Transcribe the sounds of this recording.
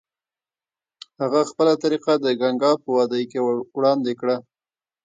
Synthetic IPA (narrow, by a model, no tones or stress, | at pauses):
haɣaxpəlat̪aɾiqad̪əɡaŋɡɑpəwɑd̪əjkewɽɑnd̪ekɽa